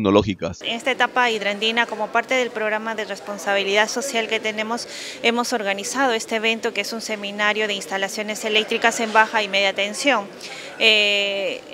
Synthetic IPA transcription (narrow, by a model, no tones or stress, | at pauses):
noloxikasene̞st̪aet̪apaiðɾand̪inako̞mo̞paɾt̪e̞ðe̞lpɾo̞ɣɾamaðe̞re̞spo̞nsaβ̞iliðaðso̞sjalke̞t̪e̞nẽ̞mo̞s | e̞mo̞so̞ɾɣanisað̞o̞e̞st̪eːβe̞nt̪o̞keesunse̞mĩnaɾjo̞ð̞einst̪alasjo̞ne̞se̞le̞k̚t̪ɾikase̞mbaxaime̞ðjat̪e̞nsjo̞ŋ | e